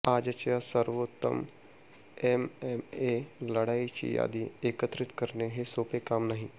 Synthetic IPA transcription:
aːd͡ʒət͡ʃjasəɾʋot̪ːə̰m | ememeləɽaːit͡ʃḭja̰ːd̪ieːkət̪ɾɪt̪kəɾneɦesoːpekaːmnaɦĩ

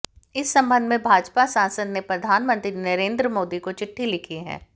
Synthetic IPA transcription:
ɪsːɐ̃mbə̃nd̪ʱmẽbʱaːd͡ʒpasãːnsəd̪nepɾɐd̪ʱaːnmə̃nt̪ɾinɐɾẽːnd̪ɾəmoːd̪ikot͡ʃɪʈʰːilɪkʰiɦɛ̰̃ː

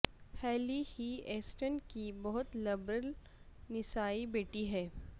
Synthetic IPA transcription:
hɛːlihieːsʈənkibɐɦʊt̪lɐbɾəl | nɪsaːibeːʈiɦɛː

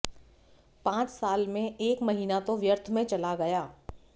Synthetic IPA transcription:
pãːt͡ʃsaːlmẽeːkmɐɦiːnat̪oʋjəɾt̪ʰmẽt͡ʃɐlaɡɐjaː

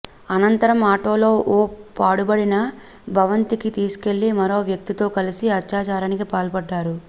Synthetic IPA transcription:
ɐnɐnt̪ɐɾɐmaːʈoːlo̞ːʔoːpaːɽubɐɽinɐ | bʱɐʋɐnt̪ikit̪iːsu̥ke̞ɭːimɐɾo̞ːʋjɐk̚t̪it̪o̞ːkɐlisiɐtːaːt͡ʃaːɾaːnikipaːlpɐɖːaːɾu

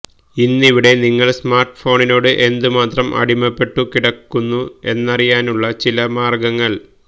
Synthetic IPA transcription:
inːiʋiɽe̞niŋːɐɭsmaːrʈːfo̞ːɳino̞ːɽɨʔe̞nd̪ɨmaːt̪rɐmʔɐ̰ɽimɐpːe̞ʈːukiɽɐkːunːue̞nːɐrijaːnuɭːɐt͡ɕilɐmaːrɡɐŋːɐɭ

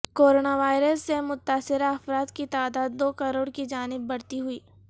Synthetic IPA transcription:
koːɾoːnaʋaːɪɾəsːemʊt̪aːsɪɾaɐfɾaːd̪kit̪aːd̪aːd̪ːoːkɐɾoːɽkid͡ʒaːnɪbːɐɽt̪iɦʊiː

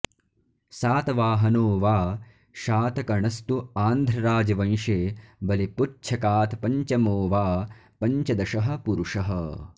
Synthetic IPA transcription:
saːt̪ɐʋaːɦɐnoːʋaː | ʃaːt̪ɐkɐɳɐst̪uaːnd̪ʱɾɐɾaːd͡ʒɐʋɐ̃j̃ʃeːbɐliput͡ʃʰɐkaːt̪pɐɲt͡ʃɐmoːʋaː | pɐɲt͡ʃɐd̪ɐʃɐɦɐ̆puɾuʂɐɦɐ̰

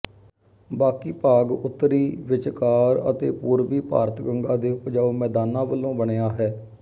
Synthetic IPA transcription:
baːkiːpaːɡʊt̪ːɾiːʋɪt͡ʃkaːɾə̰t̪ḛːpuːɾʋiːpa̰ːɾət̪ɡəŋɡãːd̪eːʊpd͡ʒaːoːmɛːd̪aːnãːʋəlːõːbəɳeːaːɦɛː

